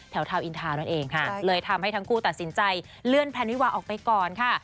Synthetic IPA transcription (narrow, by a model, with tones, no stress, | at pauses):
t̪ʰɛ˨˩˦wt̪ʰaː˧wʔi˧nt̪ʰaː˧na˥˩ʔeː˧ŋkʰa˦˥˩lɤː˧jt̪ʰa˧mha˥˩jt̪ʰa˦˥ŋkʰuː˥˩t̪a˨˩t̪̚si˩˦nt͡ɕa˧j | lɯ˥˩ənpʰɛː˧˥nwi˦˥˩waː˧ʔɔː˨˩k̚pa˧jkɔː˨˩nkʰa˥˩